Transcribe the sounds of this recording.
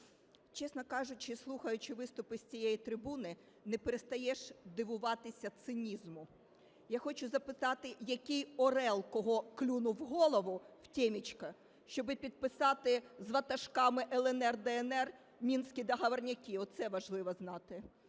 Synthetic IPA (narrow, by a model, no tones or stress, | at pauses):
t͡ʃɛsnɔkɑʒʊt͡ʃɪslˠuxɐjʊt͡ʃɪʋɪst̪ʊpɪsʲt͡sʲijɛjit̪ɾɪbunɪ | nɛpeɾest̪ɐjɛʃd̪ɪʋʊʋɑt̪ɪsʲɐt̪sɪnʲizmʊ | jaxɔt͡ʃʊzɐpɪt̪ɑt̪ɪjɐkʲijɔɾɛlˠkɔɦɔklʲunʊwɦɔlˠɔʋʊw̥tʲɛmʲit͡ʃkɐ | ʃt͡ʃɔbɪpʲid̪̚pɪsɑt̪ɪzʋɐt̪ɐʃkɑmɪʔɛlˠɛnɛrd̪ɛɛnɛr | mʲinsʲkʲid̪ɐɦɐʋɐrnʲɐkʲiɔt̪sɛʋɐʒlˠɪʋɔznɑt̪ɪ